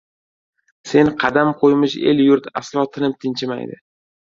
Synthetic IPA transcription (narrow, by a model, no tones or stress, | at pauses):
se̞nqʰɑd̪amqʰojmɪʃe̞̰ljʊɾt̪a̰slˠɒt̪ʰɪnɪp̚t̪ʰɪnt͡ʃʰɪma̰jd̪ɪ̰